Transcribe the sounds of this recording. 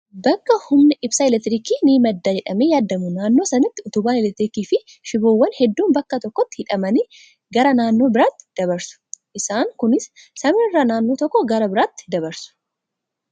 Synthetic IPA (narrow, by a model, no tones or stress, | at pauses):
bɐkːɐhʊmnɪʔɪbsaːɪlɛt̪ːɪɾiːkiːniːmɐd̪ːaːd͡ʒɛᶑɐmeːjaːd̪ːɐmʊnaːnːo̞ːsɐnɐt̪ːɪʊt̪ʊbaːnɛlɛt̪ːɪɾiːkiːfɪ | ʃɪbuːwːɐnhɛd̪ːuːmbɐkːɐt̪ɔkːɔt̪ːhɪᶑɐmɐniː | ɡɐɾɐnaːnːo̞ːbɪɾaːt̪ːɪ̥d̪̥ɐbɐɾsʊ̥ʔɪsaːŋkʊnɪsːɐmɪɪrːaːnaːnːo̞ːt̪ɔkːɔɡɐɾɐbɪɾaːt̪ːɪ̥d̪ɐbɐɾsʊ̥